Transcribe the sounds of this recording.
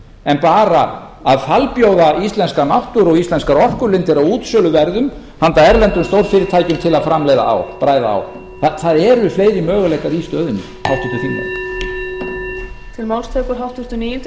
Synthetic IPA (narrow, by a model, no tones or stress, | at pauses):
ɛnpaːɾa | aðfalpjowðaist̪lɛnskanawht̪ʏɾɔɣist̪ɛnskaɾɔr̥kʏɾlɪnt̪ɪɾaðuːt̪sœːlʏvɛɾðʏm | hant̪aɛɾlɛnt̪ʏmst̪owɾfɪːɾɪɾt̪ʰaːjcʏmt̪ʰɪlaðfɾamlejða̰a̰wpɾaːjðaa̰w | θaθaðɛɾʏfleːjɾimœːɣʏlejkaɾist̪œːðʏnʏ | hawht̪ʰʏt̪ʏθimːa̰ | t̪ʰɪlmawlst̪ʰejkʏɾɦawht̪ʏst̪ʏnijɪnt̪